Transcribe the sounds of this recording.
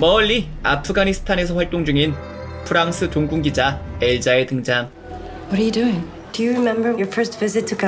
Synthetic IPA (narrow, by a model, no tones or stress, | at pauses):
mʌʎːi | apʰɯɡanisʰɯ̥tʰane̞s̬ʰʌɸwaɭt͈oŋd͡ʑuŋin | pʰɯɾaŋsʰɯtoŋɡuŋɡid͡ʑaeɭd͡ʑaetɯŋd͡ʑam | wʌɾə˞jɨduɪ̃ŋ | d̥ɨjɨɹɪmɛ̃mbə˞jə˞fɜ˞stv̥ɪzɪtʰɨkʰ